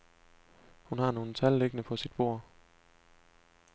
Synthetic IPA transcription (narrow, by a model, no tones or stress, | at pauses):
hunɦɑ̈no̝ːn̩t͡sʰælleɡ̥ənəpʰɒ̽sid̥̚b̥o̝ɐ̰